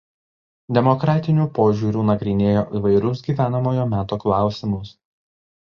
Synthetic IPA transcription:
d̪ʲɛmɔkɾɑːt̪ʲɪnʲuːpoːʒʲuːɾʲuːnɐɡɾʲɪnʲeːjoːʔiːʋɐɪɾʲʊs̬ɡʲiːʋʲæːnɐmoːjoːmʲæːt̪oːklˠɑˑʊsʲɪmʊs

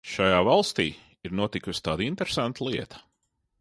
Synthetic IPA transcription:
ʃajaːvalˠst̪iː | iɾnuɔt̪ikust̪aːd̪int̪eɾesant̪lˠiɛt̪ɐ̥

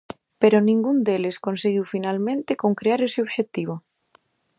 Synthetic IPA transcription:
peɾonĩŋɡund̪eleskonseɣiwfinalmẽnt̪ekoŋkɾeaɾeseoβʃek̚t̪iβ̞o

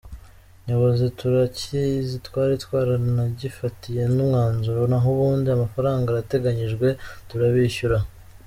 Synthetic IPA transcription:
ɲoβo̞zituɾacizitwaːɾitwaːɾanaɟifatije̞nimŋaːnzuɾonaɦuβuːndiamafaɾaːŋɡaɾate̞ɡaɲiʒɡwe̞tuɾaβiçuɾa

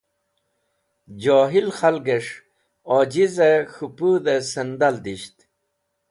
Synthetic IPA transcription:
d͡ʑoːɦilχalɡeʂ | ɔd͡ʑizexupud̪esɐnd̪ald̪iɕt̪

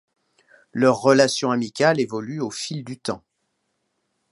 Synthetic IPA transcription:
lœʁːəlasjɔ̃amikʲalevɔlyofild̪yt̪ɑ̃

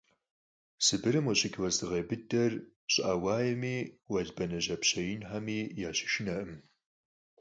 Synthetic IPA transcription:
sɨbɨɾɨmwɐɕʼɪkʲʰwɐzɨʁeːbɨdɐr | ɕʼawaːjɛmiːwɐɮbɐnɐʑɐpɕɐjɪnħamiːjaːɕɪ̥ʃɪnɐʔɨm

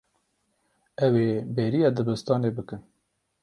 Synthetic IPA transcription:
ɛweːbeːɾijɑːd̪ɨbɨst̪ɑːneːbɨkɨn

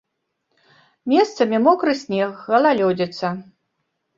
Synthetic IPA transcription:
mʲɛst̪sɐmʲimɔkɾɨsʲnʲɛxɣɐlˠalʲɔd͡zʲɛt̪sɐ

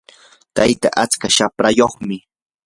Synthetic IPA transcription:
t̪ajt̪a̰ʔat͡skaʃapɾajoχmɪ

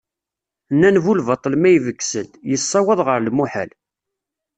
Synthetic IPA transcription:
nːænvulvɑt̪ˤːəlmæjvəkːsəljəsˤːɑwəðˤʁəɾlmuħə̰l

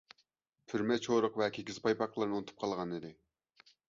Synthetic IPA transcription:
pʰyɾmɛt͡ʃʰoɾəqvɛkʲʰeɡʲizpʰɑjpɑqlˠɨɾnɨunɨt̪ʰup̚qʰɑlˠʁɑnɨd̪ɪ

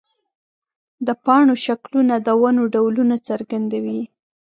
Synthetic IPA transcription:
d̪əpɑɳoʃaklunad̪awanoɖawlunat͡səɾɡand̪awi

